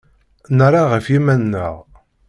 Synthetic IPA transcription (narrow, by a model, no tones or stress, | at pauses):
nəɾˤaʁəfjimænːə̰ʁ